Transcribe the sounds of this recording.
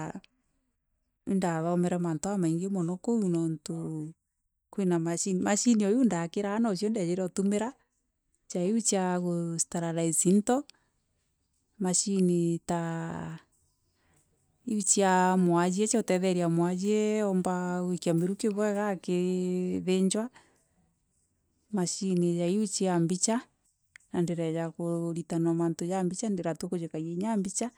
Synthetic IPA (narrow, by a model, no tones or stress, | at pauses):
indaβaɔmɛɾɛmantoamaiŋɡemɔnɔkounɔnto | kwinamaʃinimaʃiniɔjundakeɾaːnaʃiɔndeajeɾɛɔtomeɾa | t͡ʃaiut͡ʃaɣostaɾaɾaesintɔ | maʃinita | iut͡ʃiamwad͡ʒiɛt͡ʃaotɛðɛɾiamwad͡ʒiɛɔmbaɣwekiameɾukeβɛɣakeðeɲd͡ʒwa | maʃinejaiut͡ʃeambit͡ʃa | nandeɾɛjakoɾitanamantojambit͡ʃandeɾatwɔkod͡ʒekaɣeɲambit͡ʃa